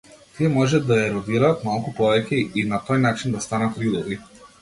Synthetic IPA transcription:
t̪iɛmɔʒɛd̪ajɛɾɔd̪iɾaːt̪malˠkupɔvɛcʲɛinat̪ɔjnat͡ʃind̪ast̪anat̪ɾid̪ɔvi

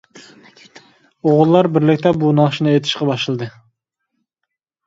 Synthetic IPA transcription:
oʁʊlˠːɑɾbɪɾlɪkʲt̪ɛbunɑχʃinɨet̪ʰɪ̥ʃqɑbɑʃlˠɨd̪ɨ

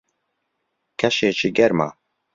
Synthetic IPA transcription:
kʰɛʃeːt͡ʃiɡɛɾma̰ː

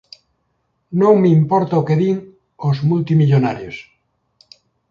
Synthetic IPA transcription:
nõŋmeimpoɾt̪aokeðiŋ | ozmult̪imiʎonaɾjos

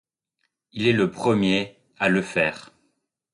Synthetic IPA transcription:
ilɛləpχəmje | aləfɛːʁ

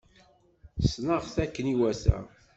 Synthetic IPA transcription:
snəʁθækːəniwæsæ̰

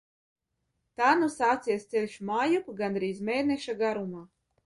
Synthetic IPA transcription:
t̪aːnusaːt̪sʲijɛst̪selʲʃumaːjupɡand̪ɾiːzmʲeːnɛʃaɡaɾumaː

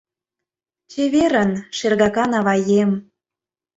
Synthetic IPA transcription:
t͡ɕeβeɾənʃerɣɑkɑnɑβɑjem

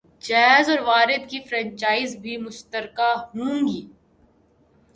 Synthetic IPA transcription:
d͡ʒɛːzɔːɾʋaːɾɪd̪kifɾɛ̃ːɲt͡ʃaːɪzbʱimʊʃt̪əɾkaɦũːŋɡiː

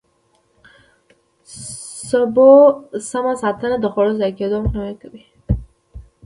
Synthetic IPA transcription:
sabosamasat̪anad̪əxoɽozajked̪omqnawakawi

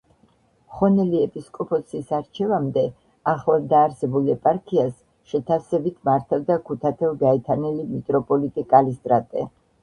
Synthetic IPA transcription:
χɔnɛliɛpʼiskʼɔpʰʼɔsisaɾt͡ʃʰɛvamd̪ɛ | aχlad̪aːɾsɛbulɛpʼaɾkʰias | ʃɛt̪ʰasɛbit̪ʰmaɾt̪ʰavd̪akʰut̪ʰat̪ʰɛlɡaɛt̪ʰanɛlimit̪ʼɾɔpʼɔlit̪ʼikʼalist̪ʼɾat̪ʼɛ

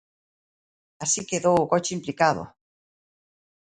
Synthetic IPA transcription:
asikeðowukot͡ʃeimplikaðo̰

